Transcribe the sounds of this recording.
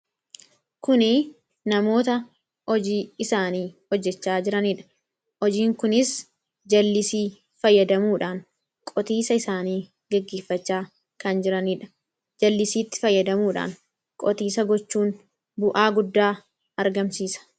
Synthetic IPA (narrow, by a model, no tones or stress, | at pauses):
kʊnɪ | nɐmo̞ːt̪ɐ | ɔd͡ʒiːɪsaːniːhɔd͡ʒːɛt͡ʃːaːd͡ʒɪɾɐniᶑɐ̥ | ɔd͡ʒiːŋkʊnɪs | d͡ʒɐlːɪsiː | fɐjːɐd̪ɐmuːᶑaːŋ | kʼɔt̪iːsɐɪsaːniː | ɡɐɡːeːfːɐt͡ʃːaː | kɐnd͡ʒɪɾɐniᶑɐ̥ | d͡ʒɐlːɪsiːt̪ːɪ̥fɐjːɐd̪ɐmuːᶑa̰ːŋ | kʼɔt̪iːsɐɡɔt͡ʃːuːn | bʊʔaːɡʊd̪ːaː | ɐɾɡɐmsiːsɐ̥